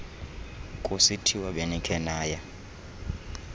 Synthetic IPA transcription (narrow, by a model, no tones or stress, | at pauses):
kʼusitʰiwaɓenikʰɛnaːja